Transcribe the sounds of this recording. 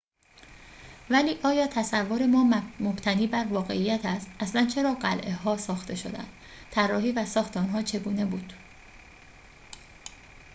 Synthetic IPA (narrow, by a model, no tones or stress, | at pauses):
væliːʔɒːjɒːt̪ʰæsævːoɾe̞mɒːmob̥t̪ʰæniːbæɾvɒːɣe̞̰ʔijːæt̪ʰæst̪ʔæslænt͡ʃʰe̞ɾɒːɢælʔeɦɒːsɒːxt̪ʰe̞ʃo̞̰d̪æ̰nd̪̥ | t̪ʰærːɒːhiːvæsɒːxt̪ʰeɔnɦɒːt͡ʃʰe̞ɡuːne̞buːd̪̥